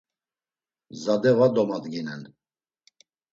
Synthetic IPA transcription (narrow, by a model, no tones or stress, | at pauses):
zad̪ɛvad̪ɔmad̪ɡinɛn